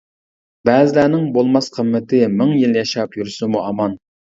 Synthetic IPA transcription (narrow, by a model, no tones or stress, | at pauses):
bɛːzɪlæːnɪŋbolˠmɑsqʰəmːɪt̪ʰɪmɪŋjilˠjɑʃɑpjyɾsumuɑmɑn